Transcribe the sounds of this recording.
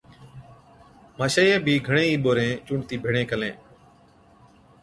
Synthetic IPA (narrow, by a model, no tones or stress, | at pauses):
maːʃəːjeːbʱiːɡʱəɳẽːiːɓoːɾẽːt͡ʃũːɳt̪iːbʱeːɽẽːkəlḛ̃ː